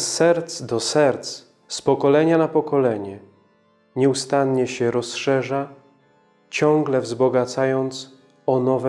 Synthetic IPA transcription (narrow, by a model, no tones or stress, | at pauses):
sːɛɾt̪sd̪ɔsɛɾt̪s | spɔkɔlɛɲanapɔkɔlɛɲɛ | ɲɛust̪anɲɛɕɛɾɔsʂɛʐa | t͡ɕɔ̃ŋɡlɛvzbɔɡat̪sajɔnt̪s | ɔnɔvɛ